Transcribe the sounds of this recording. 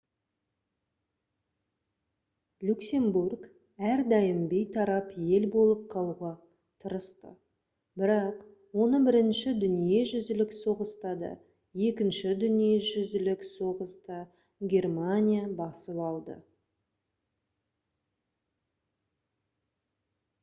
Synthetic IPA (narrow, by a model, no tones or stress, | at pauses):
lʲuksʲe̞mburɡ | æɾd̪ɑjɪmbe̞jt̪ʰɑɾɑpje̞lbo̞lˠəp̚qʰɑlˠuʁɑ | t̪ʰəɾəst̪ə̰ | bɪɾɑq | wo̞nəbɪɾɪnʃɪd̪ʏnije̞ʒʏzd̪ɪlɪkso̞ʁəst̪ɑd̪ə̰ | je̞kʲɪnʃɪd̪ʏnije̞ʒʏzɪlɪkso̞ʁəst̪ə | ɡʲe̞rmanʲijabɑsəlˠɑlˠd̪ə̰